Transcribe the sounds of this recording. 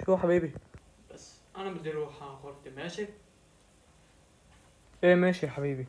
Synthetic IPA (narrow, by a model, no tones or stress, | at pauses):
ʃuːħabiːbi | b̥asː | ʔænæbɪd̪iːɾuːħaxoɾˤt̪imæːʃi | ʔeːmæːʃiħabiːbi